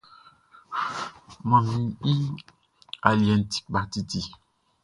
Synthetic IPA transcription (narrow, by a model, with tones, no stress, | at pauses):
mã˨mĩ˨i˦ | a˨li˨ɛ̃˨nti̥˦kba˨t̪i˨ti˨